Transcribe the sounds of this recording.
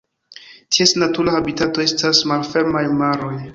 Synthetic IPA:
tʰiesnatuɾahabitato̞e̞stasmalfe̞ɾmajmaɾo̞j

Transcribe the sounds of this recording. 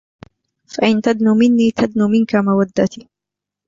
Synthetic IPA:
faʔɪnt̪ad̪numɪnːiːt̪ʰad̪nuːmɪnkamawad̪ːat̪iː

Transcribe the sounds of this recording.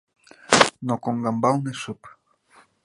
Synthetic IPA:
nokoŋɡambawneʃup

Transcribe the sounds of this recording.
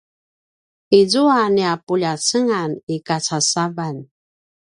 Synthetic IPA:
izuaniapuʎasəŋanikat͡sasavan

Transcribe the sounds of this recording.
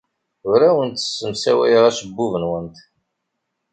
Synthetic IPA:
ʊɾæwənt̪ə̥sːəmsæwæ̰jʁæʃəbːuvənwənt̪

